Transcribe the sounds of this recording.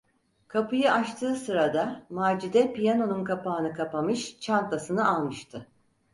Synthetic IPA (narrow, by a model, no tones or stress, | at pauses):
kʰapɯjɯaʃt̪ʰɯːsɯɾad̪amaːd͡ʒid̪ɛpijano̞nunkʰapaːnɯkʰapamɯʃt͡ʃʰant̪asɯnɯʔalˠmɯʃt̪ʰɯ